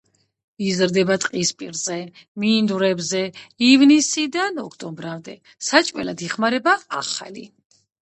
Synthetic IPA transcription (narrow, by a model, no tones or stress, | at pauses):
izɾd̪ɛbat̪ʼqʼispʼiɾzɛmind̪uɾɛbzɛivnisid̪anɔkʰt̪ʼɔmbɾamd̪ɛ | sat͡ʃʼwɛ̰lad̪iχmaɾɛbaːχa̰lḭ